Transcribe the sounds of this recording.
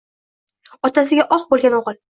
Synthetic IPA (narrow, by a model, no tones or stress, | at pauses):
ɒt̪ʰas̬ɪɡʲaʔɒqbolˠɡʲanɒʁɨlˠ